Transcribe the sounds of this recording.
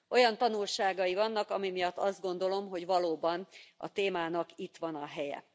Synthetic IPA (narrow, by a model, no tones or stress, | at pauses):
ʔo̞jɒnt̪ɒnulʃaːɡɒjivɒnːɒkɒmimijɒt̪ːɒzd̪̚ɡo̞nd̪o̞lo̞mɦo̞ɟʋɒloːbɒnɒ̰t̪eːmaːnɒkit̪ʋɒnɒɦɛjɛ̰